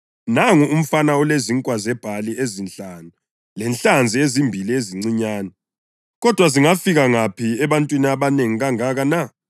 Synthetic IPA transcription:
naŋuum̩fanaɔleziŋkʼwazɛb̥ʱaliezinɬaːnu | lɛnɬand͡zʱiezimbʱilieziŋ͡ǀiɲaːnɔ | ɣɔd̥ʱwaziŋafiɣaŋapʰiɛβantʼwiniaβaneŋiɣaŋaɣana

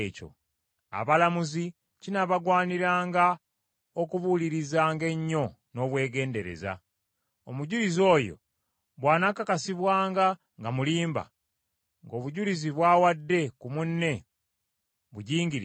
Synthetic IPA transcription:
co̰ | a̰βalamuzi | cinaβaɡwaːniɾaːŋɡa | okuβuliɾizaːŋɡe̞ɲːo̞ | no̞ːβwe̞ːɡe̞ːnde̞ɾe̞̰za̰ | omuɟulizo̞ːjo̞̰ | βwaːnakakasiβwaːŋɡa | ŋɡamuliːmba̰ | ŋɡo̞ːβuɟuliziβwaːwadːe̞kumunːe̞ | βuɟiːŋɡiɾ

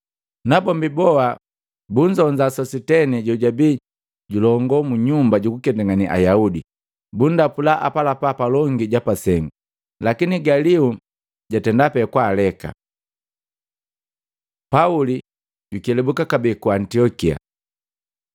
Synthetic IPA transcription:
nabɔmbibɔa | buɲd͡ʒɔɲd͡ʒasɔsitɛniɟɔɟabi | ɟulɔŋɡɔmuɲumbaɟukukɛndaŋaniʔa̰jaudi | bundapulaʔa̰palapapalɔŋɡiɟapasɛŋɡu | lakiniɡaliu | ɟatɛndapɛkwaːlɛka̰ | pauli | ɟukiɛlɛbukakabiːkuantiɔkia̰

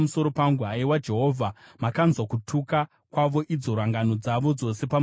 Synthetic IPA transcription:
muso̞ɾo̞paŋɡuɦaiwad͡ʒe̞ɦo̞ːvʱamakanzwakutʰuka | kwaʋo̞ʔid͡zo̞ɾaŋɡano̞d͡zaʋo̞d͡zo̞se̞pam

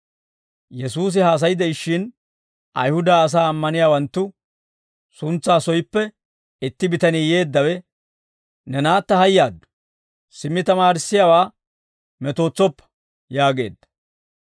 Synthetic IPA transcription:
jɛsuːs̬ɪhaːs̬ɐjɪd̪ɛɪʃːɪn | ɐ̰jhʊd̪aːs̬aːɐmːɐnɪjaːwɐnt̪ːʊ | sʊnt͡sːaːsɔjɪpːɛ | ɪt̪ːɪbɪt̪ɐniːje̞ːd̪ːɐwɛ | nɛnaːt̪ːɐhɐjːaːd̪ːʊ̥ | sɪmːɪt̪ɐmaːɾɪsːɪjaːwaː | mɛt̪o̞ːt͡sːɔpːɐ̥ | jaːɡe̞̰ːd̪ːɐ̥

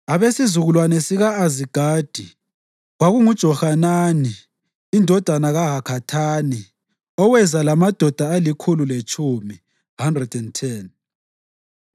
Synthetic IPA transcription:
aβesizuɣulwanɛsiɣaːziɡ̥ʱaːd̥ʱi | ɣwaɣuŋud̥ʒ̥ʱɔxananiː | ndʱɔd̥ʱanaɣaɦakʰatʰaːni | ɔwɛzalamad̥ʱɔd̥ʱaalikʰululet͡ʃʰʼumi | handrɛd̥ɛntʰɛn

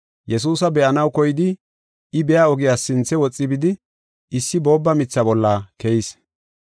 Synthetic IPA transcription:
jɛs̬uːsɐbɛʔɐnɐwkɔjɪd̪ɪ | ɪbɛjaɔɡɪjaːsɪnt͡sːɛwɔt͡sʼːɪbɪd̪ɪ | ɪsːɪbo̞ːbːɐmɪt͡sːɐbɔlːakɛjɪs

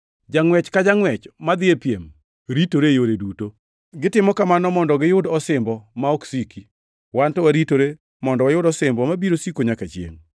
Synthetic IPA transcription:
d͡ʒaŋwɛt͡ʃkad͡ʒaŋwɛt͡ʃmad̪ɪepjem | ɾitoɾejoɾeduto | ɡɪtɪmɔkamanɔmɔndɔɡɪjʊdɔsɪmbɔmaɔksiki | wantɔwaɾitoɾe | mɔndɔwajʊdɔsɪmbɔmabiɾosikoɲakat͡ʃjḛŋ

